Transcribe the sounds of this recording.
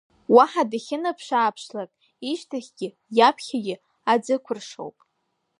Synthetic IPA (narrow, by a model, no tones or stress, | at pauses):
waħadaχʲɪnapʰʂaːpʰʂlakʼ | iʃtʰaχʲɡ̥ʲɪ | japʰχʲaɡʲɪ | ad͡zɨkʷʰʊrʂo̰wpʼ